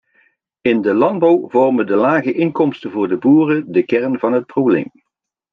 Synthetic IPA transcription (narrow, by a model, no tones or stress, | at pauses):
ɪndəlɑnd̚bɑwvɔrmədəlaːɣəʔɪŋkɔmstəvʊːɹdəbuːrədəkɛɹnvɑnɦət̚problejm